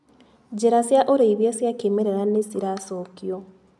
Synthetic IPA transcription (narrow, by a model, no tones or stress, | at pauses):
d͡ʑeɾasjaʔoɾeiβjesjakemeɾeɾanesiɾasokjo